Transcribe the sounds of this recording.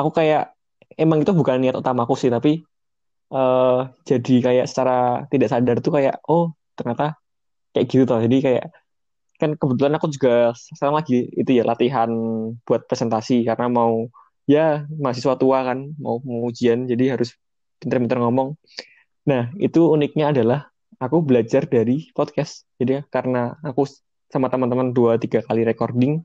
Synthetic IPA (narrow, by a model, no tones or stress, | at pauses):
akukajaʔ | emaŋit̪ubukanːiat̪ut̪amakusɪht̪api | ʔəːd͡ʒadikaja̰ʔsə̥t͡ʃaɾat̪idaʔsadart̪ukaja̰ʔɔh | t̪ərɲat̪a | kajaɡ̥it̪ut̪ɔd͡ʒadikaja̰ʔ | kankəbət̪̬ulanakud͡ʒuɡakaɾaŋlaɡiit̪ujalʔat̪iɦanb̥uat̪̚pɾesɛnt̪asikaɾənamau | jamaas̬isuat̪uakanma̰upŋud͡ʒiand͡ʒadiɦaɾʊs | inərmint̪ɔrŋɔmɔŋ | nahḭt̪uːnɪk̚ɲaːdalah | akubəlad͡ʒardaɾipɔd̚kɛst̪d͡ʒ̥adiakaɾənaːku | samat̪əmant̪̬əmanduat̪iɡakaliɾekɔrdɪŋ